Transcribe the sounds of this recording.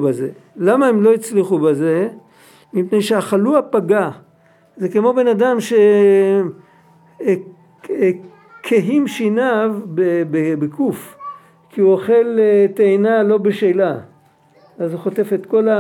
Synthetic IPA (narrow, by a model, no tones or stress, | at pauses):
bazelamaemlo̞it͡sliχubeze̞ | mipnejʃeaχaluapaɡa | zekemo̞be̞nad̪amʃe | kʰeɦimʃinavbebebekuf | kiuoχe̞lt̪eːnalo̞beʃejla | azuχo̞t̪e̞fe̞t̪ko̞la